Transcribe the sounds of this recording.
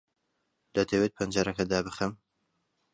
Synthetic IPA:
d̪̥ɐt̪ʰɐwet̪̚pʰɐnd͡ʒaɾɐkɐd̪aːbɨxɐm

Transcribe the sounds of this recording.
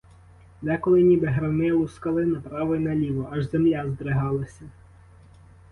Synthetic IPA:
nɛkɔlˠɪnʲibɪɦɾɐnɪlˠuskɐlˠɪnɐpɾɑʋɔjinɐlʲiʋɔɐʒzemlʲazd̪ɾɪɦɑlˠɐsʲɐ

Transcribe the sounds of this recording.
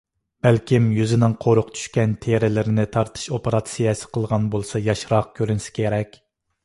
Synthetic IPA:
b̥ælkʲimjyzɪnɪŋqʰoɾʊqt̪ʰy̥ʃkʲɛnt̪ʰeɾɪlɪɾɪnɪt̪ʰɑɾt̪ʰɨ̥ʃopeɾɑt̪sijɛsɪ̥qʰəlˠʁɑnbolˠsɑjɑʃɾɑq̚kʲʰøɾynsɪ̥kʲʰeɾɛkʲ

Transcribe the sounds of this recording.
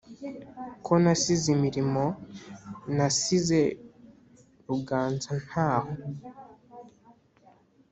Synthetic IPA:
kʰonasizimiɾimo̞ | nasize̞ | ɾuɡaːnzan̥haːho

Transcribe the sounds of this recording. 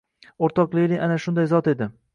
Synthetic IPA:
oɾt̪ʰɒqlˠɪjlɪʔanaʃʊnd̪ajzɒt̪e̞d̪ɪ

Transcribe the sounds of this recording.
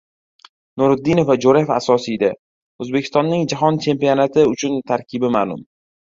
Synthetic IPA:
nʊɾʊd̪ːinofad͡ʒoɾefa̰sɒsijd̪a | ɵzbekʰʲɪ̥st̪ɒnːɪŋd͡ʒaɦɒnt͡ʃʰe̞mpijɒnat̪ʰɪʊt͡ʃʰʊnt̪ʰaɾkʲʰɪbɪmaːlˠʊ̰m

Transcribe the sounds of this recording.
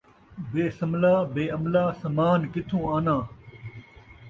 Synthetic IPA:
beːsəmlaːbeːəmlaːsəmaːnkɪt̪ʰũːaːnãː

